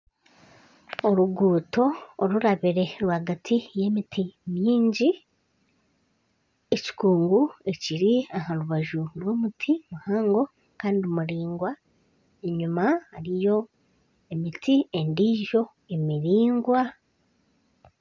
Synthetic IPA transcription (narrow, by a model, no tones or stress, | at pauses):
oɾuɡuːto̞ːɾuɾaβiɾe̞ɾwaɡatʰije̞ːmitimjiːɲɟi | eci̥kuːŋɡue̞ciɾiahaɾuβaʒuɾwo̞mutʰimuhaːŋɡo̞ | kaːndiomuɾiːŋɡwa | eɲumaaɾijo̞ | emitie̞ndiːʒo̞ | e̞miɾiːŋɡwa